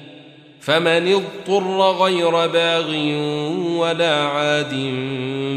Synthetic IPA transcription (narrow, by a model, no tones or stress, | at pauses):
famanɪðt̪ˤːʊrˤːɣajɾabaːɣɪ | walaːʕaːd̪ɪn